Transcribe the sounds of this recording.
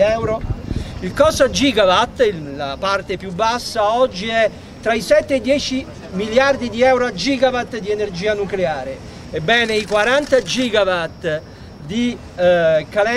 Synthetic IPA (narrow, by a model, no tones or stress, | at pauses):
ɛwɾoilkɔsad͡ʒiːɡavat̪ːilapart̪epjubːasːaɔd͡ʒːiɛ | t̪ːɾaisɛt̪ːeːd̪ːjɛːt͡ʃi | miljard̪id̪iɛwɾoad͡ʒiːɡavat̪ːd̪ienerd͡ʒiːanukleaːɾe | ebːɛːneikwaɾant̪ad͡ʒiːɡavat̪ | d̪i | kalɛ